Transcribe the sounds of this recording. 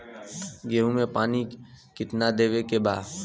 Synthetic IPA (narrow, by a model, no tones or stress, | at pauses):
ɡeːũmẽpaːnikɪt̪nad̪eːʋekebaː